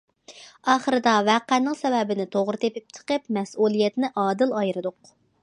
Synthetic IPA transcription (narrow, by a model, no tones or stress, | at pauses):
ɑːχəɾɨd̪ɑvɛqænːɪŋsɛwɛbɪnɪt̪ʰoʁɾɨt̪ʰepɪp̚t͡ʃʰə̥qəpmɛsulˠijɛt̪nɪʔɑːd̪ɨlˠɑjɾɨd̪ʊq